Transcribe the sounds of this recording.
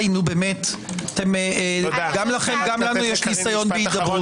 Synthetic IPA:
jnubeːmet̪at̪em | ɡamlaχemɡamlanujeʃnisajonbiid̪abo

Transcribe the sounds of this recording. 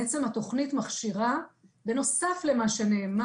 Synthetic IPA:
et͡se̞mhat̪o̞χnitmaχʃiʁabe̞no̞safle̞maʃe̞neːm

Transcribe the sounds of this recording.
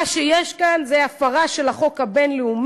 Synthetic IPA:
ʃejeʃkanzeafaʁaʃelaχo̞khabenleum

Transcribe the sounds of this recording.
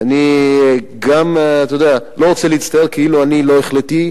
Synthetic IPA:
ani | ɡamat̪od̪ealo̞ʁot͡seliit̪st̪ajeʁkʰeiluanilo̞eχlet̪i

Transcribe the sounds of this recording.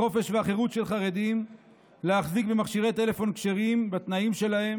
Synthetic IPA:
o̞fe̞ʃveaχe̞ʁut̪ʃe̞lχaʁe̞d̪im | leaχzikbemaχʃiʁe̞t̪e̞le̞fo̞nkʃeʁimbat̪naimʃe̞lahe̞m

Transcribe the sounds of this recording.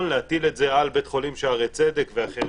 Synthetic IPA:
nleat̪iletzealbet̪χo̞limʃeaʁet͡sed̪ekveaχeʁ

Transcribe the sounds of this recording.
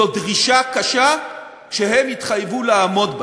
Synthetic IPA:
odʁiʃakaʃa | ʃeɦemitχajvulaːmo̞db

